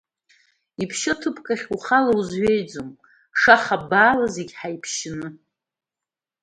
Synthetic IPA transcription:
ipʰʃɪtʰɨpʰkʼaχʲuχalauzɥejd͡zom | ʂaχabaːlazeɡʲħajpʰʃɪnɨ

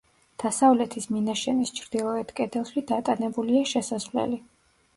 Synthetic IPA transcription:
d̪̥asavlɛt̪ʰisminaʃɛnist͡ʃʰɾd̪̥ilˠɔɛt̪kʼɛd̪ɛlˠʃid̪at̪ʼanɛbuliaʃɛsazvlɛ̰li

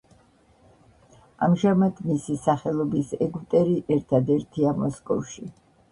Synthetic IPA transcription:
a̰mʒamad̪misisaχɛlˠɔbisɛɡt̪ʼɛɾiʔɛɾt̪ʰad̪ɛɾt̪ʰiamɔskʼɔ̰fʃi

